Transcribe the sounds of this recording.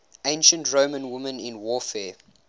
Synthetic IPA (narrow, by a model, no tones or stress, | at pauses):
ẽɪ̃nʃə̃ntɹoʊmə̃nwʊmə̃nɪ̃nwɔfɛː